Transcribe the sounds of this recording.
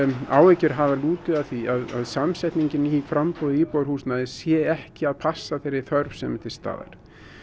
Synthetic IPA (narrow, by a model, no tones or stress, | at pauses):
a̰ːwɛcɪɾ̥ɦavaluːt̪lʏðaθiaða̰ðsamsɛht̪niɲcɪniifɾampɔðɪiːpowɾ̥huːsnaðɪsjɛɛhcɪaðpʰasːaθejɾːɪ̥θœɾvsɛ̰mɪt̪ʰɪ̥st̪a̰ːða̰ɾ̥